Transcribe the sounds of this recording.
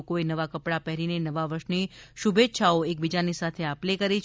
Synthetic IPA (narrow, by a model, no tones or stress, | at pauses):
koenəʋakəpɽapɛɦɾinenəʋaʋəɾʃniʃubet̪ːʃʰaoek̚bid͡ʒanisat̪ʰeaplekəɾit͡ʃʰ